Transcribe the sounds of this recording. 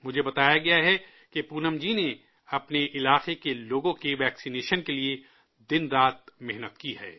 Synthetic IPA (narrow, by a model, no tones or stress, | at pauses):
mʊd͡ʒʱebɐt̪aːjaɡɐjaɦɛ | kepuːnəmd͡ʒine | ɐpneʔɪlaːqekeloːɡõkeʋɛːksineːʃənkelie | d̪ɪnɾaːt̪̚mɛɦnət̪kiɦɛ̰ː